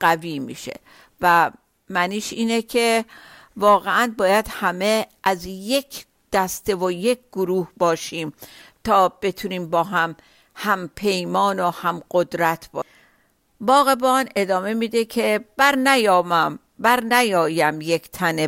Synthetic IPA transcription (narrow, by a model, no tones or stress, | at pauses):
ɢ̥æviːmḭːʃe̞̰ | væ | mæniːʃiːnecʰe̞ | vɒːɣeʔænbɒːjæd̪̥hæme̞ʔæzjekʰ | d̪̥æst̪e̞vojekʰɡ̥oɾuːhbɒːʃiːmt̪ʰɒːb̥e̞t̪ʰuniːmbɒːɦæm | hæmpʰe̞jmɒːnohæmɢod̪ɾæt̪ʰb̥ɒ | bɒːɣe̞bɒːne̞d̪ɒːme̞mid̪ekʰe̞b̥æɾnæjɒːmæm | bæɾnæjɒːjæmjekʰt̪ʰæne